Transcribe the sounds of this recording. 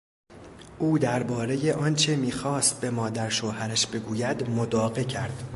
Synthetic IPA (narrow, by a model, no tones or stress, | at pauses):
ʔuːd̪æɾbɒːɾe̞je̞ʔɒːnt͡ʃʰe̞miːxɒːst̪̚be̞mɒːd̪æɾʃohæɾæʃbe̞ɡuːjæd̪mod̪ɒːɣecʰæɾd̪̥